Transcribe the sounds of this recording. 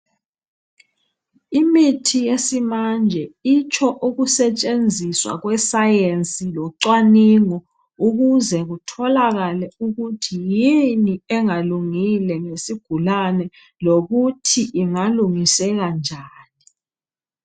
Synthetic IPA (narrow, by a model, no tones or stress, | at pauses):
imitʰijesimand͡ʒʱɛit͡ʃʰʼɔʔuɣusɛt͡ʃʼend͡zʱiswa̰ɣwɛsajent͡sʼilɔǀwaniŋɔ | uɣuzɛɣutʰɔlaɣalɛuɣutʰijiniɛŋaluŋilɛŋesiɡ̥ʱulanɛ | loɣutʰiʔiŋaluŋisɛɣand͡ʒʱaːni